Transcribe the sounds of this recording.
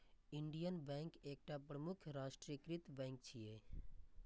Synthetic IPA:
ɪɳɖijənbɛ̃ŋkeːk̚ʈapɾəmʊkʰɾaːʃʈɾikɾit̪bɛ̃ŋk̚t͡ʃʰije

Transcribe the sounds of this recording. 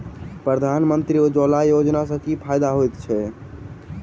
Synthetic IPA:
pɾəd̪ʱanmənt̪ɾiod͡ʒolajod͡ʒnas̬ə̃kipʰajd̪aɦojt̪t͡ʃʰɛ

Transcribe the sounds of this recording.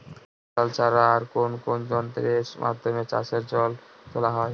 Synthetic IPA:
alt͡ɕʰaɾaːɾkonkond͡ʑɔnt̪ɾemʔa̰d̪ʱomet͡ɕa̰ʃeɾd͡ʑɔl | t̪ʰolaɦɔe

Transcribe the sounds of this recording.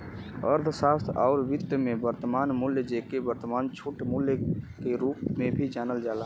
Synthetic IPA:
ə̰ɾd̪ʱsaːst̪ʰaʊɾʋɪt̪ːəmẽbəɾt̪əmaːnmʊljəd͡ʒekebəɾt̪əmaːnt͡ʃʰuʈmuljəkeɾuːpmẽbʱid͡ʒaːnəld͡ʒaːlaː

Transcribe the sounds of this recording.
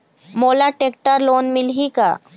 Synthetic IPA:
moːlaʈeːk̚ʈəɾloːnmɪlɦika̰ː

